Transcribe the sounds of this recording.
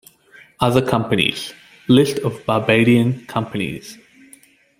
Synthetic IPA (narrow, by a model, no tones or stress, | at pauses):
ʌðəkʰʌ̃mpənḭz̥ | lɪstʰəvbaːbeːɾiə̃nkʰʌ̃mpənḭz̥